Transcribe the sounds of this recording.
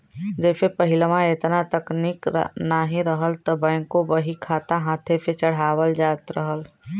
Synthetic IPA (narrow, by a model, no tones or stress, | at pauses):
d͡ʒeːsepəɦɪlmãeːt̪nat̪əkniːknaːɦĩɾəɦəlt̪ɔbɛ̃ːŋkːoʋəɦikʰaːt̪aɦãːt̪ʰepet͡ʃəɽ̤aːwəld͡ʒaːt̪ɾəɦəl